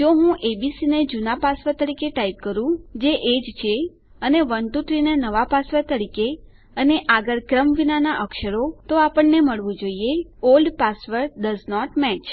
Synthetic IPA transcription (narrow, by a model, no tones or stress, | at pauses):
d͡ʒoɦũʔebisined͡ʒunapasʋət̪əɾikeʈaip̚kəɾũd͡ʒeʔed͡ʒt͡ʃʰe | əneʋənt̪ut̪ɾinenəʋapasʋət̪əɾike | əneʔaɡəɾkɾəmʋinanaʔəkʃəɾot̪oapəɳːeməɭʋũd͡ʒoieolɖpasʋəɾɖəznɔʈmɛt͡ʃ